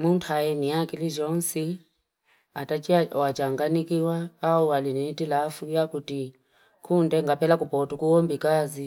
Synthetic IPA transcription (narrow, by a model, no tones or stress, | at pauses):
muntʰajɛniakiliʒɔnsi | atat͡ʃiaɔwat͡ʃaŋɡanikiwaːualinɛtilafujakuti | kʰundɛŋɡapɛlakupɔtukuwɔmbikazi